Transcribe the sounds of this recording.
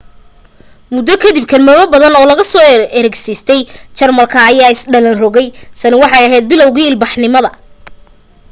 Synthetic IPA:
mʊd̪ːɐkʰɐd̪ib̚kʰɐlmɐβɐbɐðɐnɔːlɐɣɐsɔːɛɾɛɡsɛjst̪ʰɛjt͡ʃɐrmɐlkʰɐːjaːɪsɖɐlɐnrɔɣɛjsɐnɪwɑħɑjɐɦɛjd̪̚bɪlɔwɣiːɪlbɑħnɪmɐðɐ

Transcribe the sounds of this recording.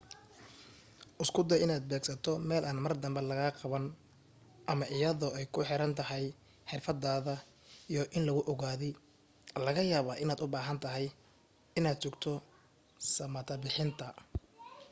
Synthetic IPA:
ʔʊskʰʊd̪ɐjɪnaːd̪̚bɛːɡsɐt̪ʰɔmɛːlʔɐnmɐrd̪ɐmbɛlɐɣɐːqɑβɐn | ʔɐmɐʔɪjɐðɔʔɛjkʰʊħɪɾɐnt̪ʰɐɦɛj | ħɪrfɐd̪aːðɐ | ijɔʔɪnlɐɣʊʔɔɣaːðɪ | lɐɣɐjaːβaːʔɪnaːd̪ʊbaːɦɐnt̪ʰɐɦɛj | ɪnaːd̪̚t͡ʃɔɡt̪ʰɔ | sɐmɐt̪ʰɐbɪħɪnt̪ʰɐ

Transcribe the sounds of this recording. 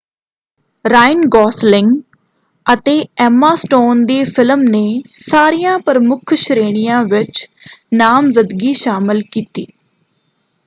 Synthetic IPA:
ɾaːɪnɡɔːslɪŋɡ | ət̪eːɛːmaːsʈoːnd̪iːfʰɪləmneːsaːɾijãːpəɾmʊkʰʃɾeːɽ̃ɪjãːʋɪt͡ʃnaːmzəd̪ɡiːʃaːmɪlkiːt̪iː

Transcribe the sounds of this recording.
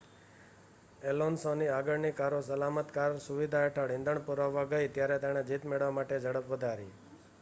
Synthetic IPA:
elonsɔ̃niaɡəɽnikaɾosəlamət̪kaɾsuʋid̪ʱaeʈʰəɽɪ̃nd̪əɳ̃puɾaʋːaɡəit̪jaɾet̪ɛɽ̃ed͡ʒit̪meɭʋamaʈed͡ʒəɽəpʋəd̪ʱaɾḭ

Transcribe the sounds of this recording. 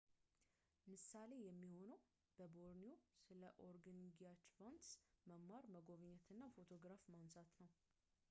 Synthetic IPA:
mɨsale̞jɛmːiho̞nəw | b̥əboɾnio̞sɨləʔoɾɡanɡiat͡ʃbant̪sməmːaɾməɡoβɨɲːɛt̪ʰɨnːafo̞t̪ʰo̞ɡɾafmansat̪nəw

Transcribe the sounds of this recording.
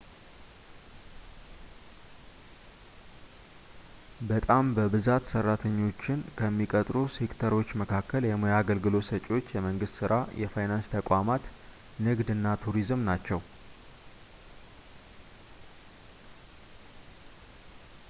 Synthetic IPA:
bət̪ʼambəbɨzat̪sərːat̪ʰəɲːo̞t͡ʃːɪnkʰəmːikʼət̪ʼɾusekt̪ʰəɾo̞t͡ʃːməkʰakːəljɛmojaɡəlɡɨlo̞sət͡ʃʼwo̞t͡ʃːjɛməŋɡɨst̪sɨɾʔajʔɛ̰fajnanst̪ʰəkʷʼamat̪ | nɨɡd̪ɨnːat̪ʰuɾizmnat͡ʃːɛw

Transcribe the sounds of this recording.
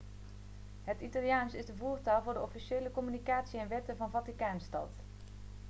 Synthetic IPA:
ɦətitɑlˠjaːnsɪzdəvuːɹtaːlˠvʊːɹdəɔfiʃeːləkɔmynikaːtsiɛnʋɛtənvɑnvɑtikaːnstɑ̰t

